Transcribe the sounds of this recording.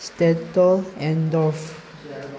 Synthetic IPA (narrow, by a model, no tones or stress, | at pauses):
stɛtəlɛ̃ndɔf